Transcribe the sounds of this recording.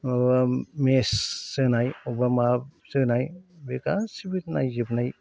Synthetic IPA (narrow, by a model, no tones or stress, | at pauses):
bamesːɯnajɔbamasɯnajbekasibitna̰jzibnaj